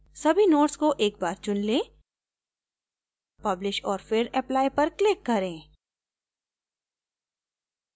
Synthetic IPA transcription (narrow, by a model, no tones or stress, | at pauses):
sɐbʱinoːʈskoʔeːk̚baːɾt͡ʃʊnlẽː | pɐblɪʃɔːɾfɪɾɛplaːipɐɾklɪkːɐɾẽː